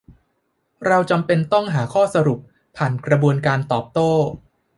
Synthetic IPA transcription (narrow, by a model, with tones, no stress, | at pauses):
ɾa˧wt͡ɕa˧mpe˧nt̪ɔ˥˩ŋɦaː˩˦kʰɔː˥˩sa˧ɾu˨˩p̚ | pʰːaː˨˩nkɾa˧bu˧ənkaː˧nt̪ɔː˨˩p̚t̪oː˥˩